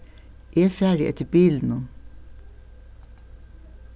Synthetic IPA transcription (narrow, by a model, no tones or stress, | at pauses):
ʔæːfæːɖɪʔɛ̰t̪əbiːln̩un